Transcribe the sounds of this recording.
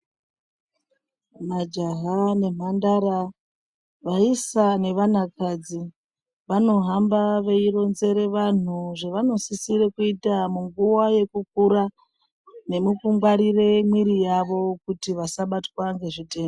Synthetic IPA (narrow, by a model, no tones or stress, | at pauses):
mad͡ʒaɦane̞m̤andaɾa | ʋaisane̞ʋanakad͡zi | ʋano̞ɦambaʋe̞iɾo̞nze̞ɾe̞ʋan̤uʐe̞ʋano̞sisiɾe̞kuitamuŋɡuwaje̞kuk̚uɾa | ne̞mukuŋɡwaɾire̞mwiɾijaʋo̞kutiʋasaɓatwaŋɡe̞ʐiteːm